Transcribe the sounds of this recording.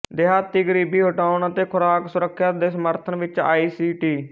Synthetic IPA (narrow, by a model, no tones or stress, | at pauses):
d̪ɪɦaːt̪ːiːɡəɾiːbiːɦʊʈaːʊɳət̪eːkʰʊɾaːksʊɾəkʰːjaːtd̪eːsəməɾt̪ʰənʋɪt͡ʃa̰ːiːsiːʈiː